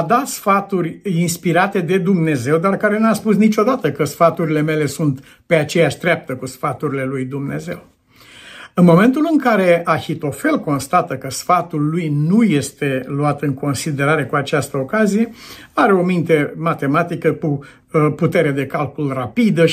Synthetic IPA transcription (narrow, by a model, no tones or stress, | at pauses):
ad̪at̪sfat̪urʲinspiɾat̪e̞d̪e̞d̪umne̞ze̞wd̪arkaɾe̞nuaspusnit͡ʃo̞d̪at̪əkəsfat̪uɾile̞me̞le̞sunt̪ | pe̞at͡ʃe̞jaʃd̪ɾʲap̚t̪əkusfat̪uɾile̞lujd̪umne̞̰ze̞̰w | ɨnmo̞me̞nt̪ulɨŋkaɾe̞ʔaçit̪o̞fe̞lko̞nst̪at̪əkəsfat̪ulːujnuje̞st̪e̞luat̪ɨŋko̞nsid̪e̞ɾaɾe̞kuat͡ʃast̪əokazije̞aɾeo̞mint̪e̞mat̪e̞mat̪ikəku | put̪e̞ɾed̪e̞kalkulrapid̪ə